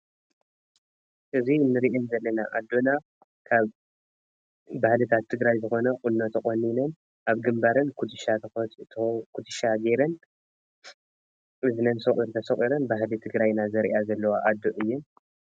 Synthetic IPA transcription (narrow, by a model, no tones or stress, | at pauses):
ʔɨzinɨɾʔɛnzɐlːɐnaʔad̪ːona | kʰaβ | ahlɨt̪ʰat̪ʰːɨɡɾajzɨxo̞nɐqʼʊnːot̪ʰɨχʼonːinɐn | ʔaβɡɨmbaɾɨnkʰud̪ɨʃat̪ʰɐ | kʰud̪ɨʃaɡeɾɐn | ʔɨzɨnɐnsɐχʼiɾt̪ʰɐsɐχʼiɾɐnbaɦlit̪ʰɨɡɾajnazɐɾḭʔazɐlːɐwaʔad̪ːoʔɨjːun